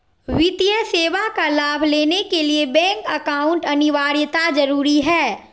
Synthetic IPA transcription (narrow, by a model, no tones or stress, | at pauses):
ʋɪt̪ijəseːʋakalaːbʱleːnekeliebɛ̃ːŋkəkaːʊ̃ɳʈɐnɪʋaːɾjət̪ad͡ʒɐɾuːɾiɦɛː